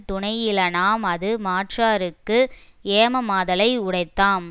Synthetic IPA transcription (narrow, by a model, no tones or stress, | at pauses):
t̪ʊɳɐɪjɪlɐnaːmɐðɯmaːʈraːɾɯkːɯ | eːmɐmaːðɐlɐɪʊɽɐɪt̪ːaːm